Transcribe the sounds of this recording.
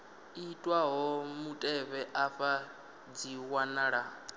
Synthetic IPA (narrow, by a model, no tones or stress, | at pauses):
itʼwaɦɔmutʼɛβɛʔaɸa | d͡ziwanaɺa